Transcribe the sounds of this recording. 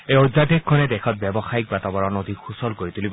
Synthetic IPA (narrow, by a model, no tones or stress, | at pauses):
eojd̪ʱːad̪ʱikʰːɔned̪ekʰɔt̪̚bɛbɔxaik̚bat̪abɔɹɔnod̪ʱixusɔlkoɹit̪ulib